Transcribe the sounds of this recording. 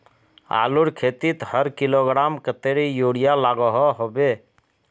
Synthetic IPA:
a̰ːluɽkʰeːt̪it̪həɾkiloɡɾaːmkət̪eɾijoːɽijalaɡɔɦɔɦobe

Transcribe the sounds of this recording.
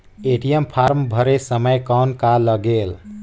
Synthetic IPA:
eʈijəmpʰaɾmbʱəɾesəməjkawnkaləɡel

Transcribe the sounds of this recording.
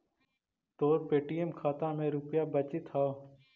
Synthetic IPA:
t̪oːɾpeːʈiːemkʰaːt̪ãmẽːɾʊpjaːbət͡ʃit̪ʰaː

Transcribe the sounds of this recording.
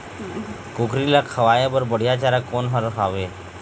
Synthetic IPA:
kokɾilakʰəʋajabəɾbəɽ̤jat͡ɕaɾakonɦəɾɦaʋe

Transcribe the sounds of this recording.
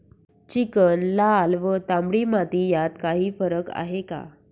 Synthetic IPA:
t͡ɕikənlalʋət̪ãmbɽiːmat̪iːjat̪kaɦiːfəɾəka̰ɦeka̰

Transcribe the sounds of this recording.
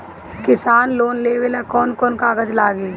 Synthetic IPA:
kɪsaːnloːnleːʋelakɔːnkɔːnkaːɡəd͡ʒlaːɡiː

